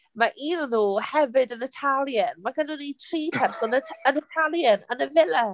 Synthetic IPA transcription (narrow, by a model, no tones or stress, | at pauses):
maʔiːnənuːhɛvɨdənətʰalˠjənmaɡənʊnitʰriːpʰɛrsɔnəənətʰalˠjənə̰nəvɪlɛ